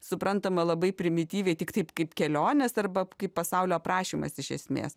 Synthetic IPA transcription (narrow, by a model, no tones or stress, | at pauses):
sʊpɾɐnt̪ɐmɐlˠɐbɐɪpʲɾʲɪmʲɪt̪ʲiːʋʲɛɪt̪ʲɪkt̪ɐɪpkɐɪpkʲɛlʲoːnʲɛsɐrbɐkɐɪppːɐsɐʊlʲoːpɾɑːʃʲiːmɐ̰sɪʃʲɛ̰sʲmʲḛːs